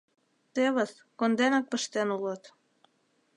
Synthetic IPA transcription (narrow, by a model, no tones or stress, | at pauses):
t̪eβə̆s | kond̪enɑk̚pəʃt̪enulot̪